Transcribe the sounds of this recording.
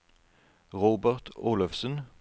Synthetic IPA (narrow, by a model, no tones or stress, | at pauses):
ʁoːbəʁt̪ʰuːlɔfsən